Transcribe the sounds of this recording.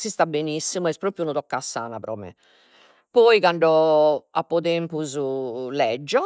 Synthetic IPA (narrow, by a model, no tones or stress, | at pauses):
sist̪abenisːimuɛspɾoːpɾjunɔt̪ɔkːasːa̰ːnapɾɔ̰ːmɛ̰ | pɔːikaɳɖɔapːɔt̪ɛmpuzulɛd͡ʒːɔ